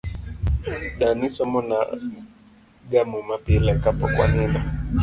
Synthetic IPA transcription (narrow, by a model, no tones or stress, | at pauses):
ɗanisɔmɔna̰ | ɡamumapilɛkapɔkwa̰nina